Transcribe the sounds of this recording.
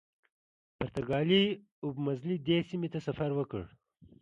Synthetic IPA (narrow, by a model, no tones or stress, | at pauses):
pɐɾt̪ɐɡɑːli | ubmɐzlid̪eːsimet̪asɐfɐɾwəkəɽ